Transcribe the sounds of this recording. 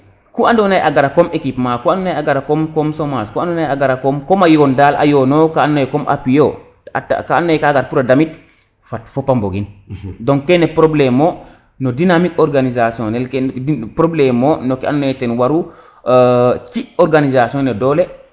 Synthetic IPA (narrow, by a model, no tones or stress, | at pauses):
kuandɔnajʔaɡaɾakɔmekipmakuandɔnajaɡaɾakɔmkɔmsɔmaskuandɔnajaɡaɾakɔmkɔmajɔndalʔa̰jɔnɔkaːnːajɛkɔmʔa̰pijɔ | a̰ta̰kanːajkaɡaɾpuɾadamit | fatfɔpːamboɡindɔŋkɛnɛpɾɔblɛmɔ | nɔdinamikɔɾɡanizasjɔnɛlkɛpɾɔblɛmɔnɔkɛa̰nɔnajɛtɛnwaɾu | t͡ʃiɔɾɡanizasiɔnɛdɔlɛ